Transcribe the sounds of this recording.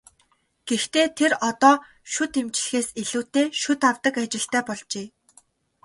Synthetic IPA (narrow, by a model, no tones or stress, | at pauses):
ɡ̥ext̪eːt̪ʰerɔt̪ɔː | ʃʊt̪emt͡ɕ̆ɮ̆xeːseɮuːt̪eːʃʊt̪awt̪ə̆kat͡ɕɪ̆ɬt̪æːpɔɮt͡ɕeː